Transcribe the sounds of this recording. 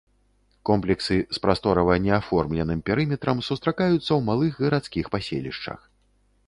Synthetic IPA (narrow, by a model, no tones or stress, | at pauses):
kɔmplʲɛksɨspɾast̪ɔɾɐvɐnʲɛafɔrmlʲɛnɨmpʲɛɾɨmʲɛt̪ɾɐmsust̪ɾakajut̪sːɐwmalˠɨxɣɐɾat̪skʲixpasʲḛlʲḭʂt͡ʂɐ̰x